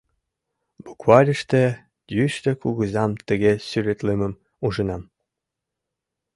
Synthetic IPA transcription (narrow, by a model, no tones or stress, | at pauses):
bukvɑlʲəʃt̪ĕ | d̪jyʃt̪ekuɣəzɑmt̪ə̆ɣesyɾet̪leməm | uʒə̆nɑm